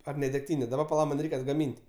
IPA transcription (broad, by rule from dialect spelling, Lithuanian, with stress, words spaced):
ɐr nʲɛ dʲɛkˈtʲiːnʲeː dɐˈbɐ pɐˈlˠɐ ˈmɐnʲ ˈrʲɛɪkʲ ɐdɡɐˈmʲiːnʲtʲ